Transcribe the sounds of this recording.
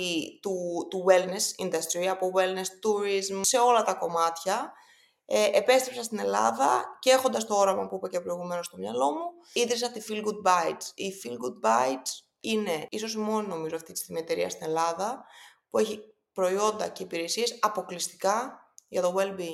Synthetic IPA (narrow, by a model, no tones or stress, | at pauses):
t̪ut̪uwelnesḭnd̪ɐst̪ɾiɐpo̞ɣwelnest̪uɾizmse̞o̞lɐt̪ɐko̞mɐt̪çɐ | eʔepe̞st̪ɾepsɐnst̪ine̞lɐ̰ðɐcee̞xo̞nd̪ɐst̪o̞o̞ɾɐmɐpuipecepɾo̞iɣume̞no̞st̪o̞mɲɐlo̞mu | iðɾisɐot̪ifilɡud̪̚bɐjdifilɡud̪̚bɐjds | ine̞iso̞s̬imo̞nino̞mizoɐft̪it̪i̥sθimiet̪e̞ɾiɐ̰st̪ine̞lɐðɐpue̞çi | pɾo̞io̞nd̪ɐ̰ceipiɾe̞sie̞sɐpo̞klist̪i̥kɐ | ʝɐt̪o̞ɣelbiŋ